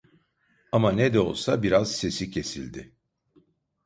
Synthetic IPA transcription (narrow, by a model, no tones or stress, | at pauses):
amanɛd̪ɛo̞̰lˠsabiɾaz̥se̞sicʰe̞silʲd̪ɪ